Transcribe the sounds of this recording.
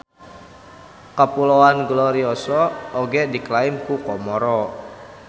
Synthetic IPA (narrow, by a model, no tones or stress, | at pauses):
kəpulɔwanɡlɔɾiɔsɔoɡɛdiklaɪmkukɔmɔɾɔ